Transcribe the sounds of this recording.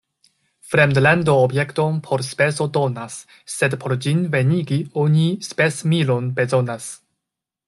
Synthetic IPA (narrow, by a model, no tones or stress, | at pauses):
fɾemdlandoːbje̞kto̞npʰo̞ɾspe̞so̞do̞nasː | e̞dpʰo̞ɾd͡ʒinve̞niɡioɲispe̞smilo̞nbe̞zo̞nas